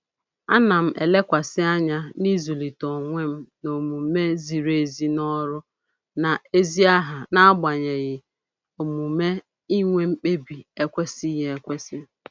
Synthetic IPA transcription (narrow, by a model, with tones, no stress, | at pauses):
a̰˦na˨m̩˦ʔḛ˨le˦kʷa˨sɪ˦a˦ɲa˦ni˦zu˨li˨tɔ˨ŋʷe˦m̩˦no˨mu˨me˦zi˨ɾe˦˨zi˦nɔ˦ɾʊ˦ | na˨e˦zi˦a˦ɦa˨na˦a˦ɡ͡ba˨ɲe˨ɣɪ˨ | o˨mu˨me˦ | i˦ŋʷe˦m̩˦k͡pe˦bi˨e˦kʷe˦si˦ɦe˦e˦kʷe˦sɪ˦